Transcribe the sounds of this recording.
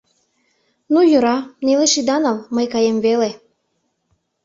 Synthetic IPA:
nujøɾɑneleʃid̪ɑnɑlməjkɑjemvele

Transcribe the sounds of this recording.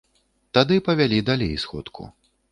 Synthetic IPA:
t̪ad̪ɨpɐvʲalʲid̪alʲḛjsxɔ̰t̪kʰṵ

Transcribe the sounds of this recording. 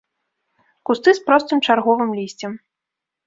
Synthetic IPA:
kust̪ɨspɾɔst̪ɨmt͡ʂarɣɔvɨmlʲisʲt͡sʲɛm

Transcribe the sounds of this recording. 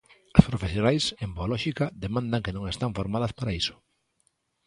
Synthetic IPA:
ɐspɾofesjonajsemboalɔʃikɐðemãnd̪aŋkenõŋest̪aɱfoɾmað̞ɐspaɾaisʊ̥

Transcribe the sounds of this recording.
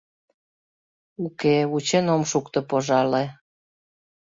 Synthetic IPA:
ukeut͡ɕenomʃukt̪ɤ̆poʒɑle

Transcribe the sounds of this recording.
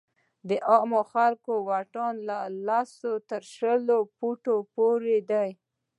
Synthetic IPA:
d̪əʔɑmoxalkowaʈɑnlalasot̪əɾʃəlopuʈopoɾed̪aj

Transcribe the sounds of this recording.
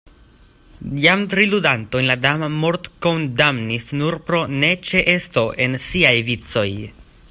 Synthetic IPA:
jamtɾiludanto̞jnladamamo̞ɾtko̞ndamnisnuɾpɾo̞ne̞t͡ʃe̞ʔe̞sto̞ʔe̞nsiajvit͡so̞j

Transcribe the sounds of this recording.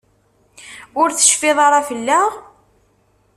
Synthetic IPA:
ʊɾθə̥ʃfɪðˤɑɾˤɑfəlːæʁ

